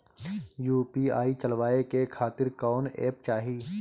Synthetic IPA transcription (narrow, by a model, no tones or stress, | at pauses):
juːpia̰ːit͡ʃəlʋaːekekʰaːt̪ɪɾkɔːnɛ̰ːp̚t͡ʃaːɦiː